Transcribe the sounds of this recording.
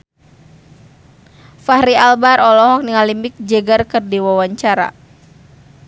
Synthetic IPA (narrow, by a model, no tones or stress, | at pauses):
fahɾialbaɾɔlɔɦɔk̚niŋalimik̚d͡ʒɛɡarkərdiwawaɲt͡ʃaɾa̰